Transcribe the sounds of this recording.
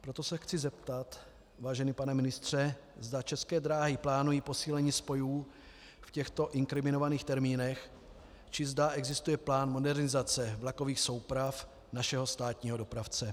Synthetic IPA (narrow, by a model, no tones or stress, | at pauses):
pɾo̞t̪o̞sɛxt͡sɪzɛp̚t̪at̪ | vaːʒɛnipanɛmɪnɪst̪r̝̥ɛ | zd̪at͡ʃɛskɛːd̪ɾaːɦɪplaːnujiːpo̞siːlɛɲiːspo̞juː | fcɛxt̪o̞ʔɪŋkɾɪmɪno̞vaniːxt̪ɛɾmiːnɛx | t͡ʃɪzdaʔɛɡzɪst̪ujɛplaːnmo̞dɛɾnɪzat͡sɛvlako̞viːxso̞wpɾaf | naʃɛɦo̞st̪aːt̪ɲiːɦo̞do̞pɾaft͡sɛ